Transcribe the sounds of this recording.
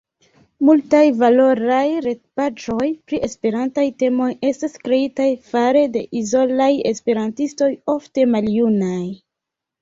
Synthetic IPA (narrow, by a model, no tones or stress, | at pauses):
multajvalo̞ɾajɾe̞tpad͡ʒo̞jpɾiʔe̞spe̞ɾantajte̞mo̞je̞staskɾe̞itajfaɾe̞de̞̰ʔizo̞laje̞̰spe̞ɾantisto̞jo̞fte̞maljunaj